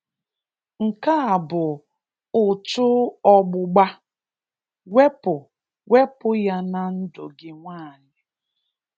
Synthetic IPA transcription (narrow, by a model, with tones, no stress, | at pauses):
ŋ̩˨ka˦a˨bʊ˨ | ʊ˨t͡ʃʊ˦ɔ˦ɡ͡bʊ˦ɡ͡ba˦ | we˦pʊ˨ | we˦pʊ˦ja˦na˨n̩˦dʊ˨ɡɪ˦ŋʷaː˦˨ɲɪ˨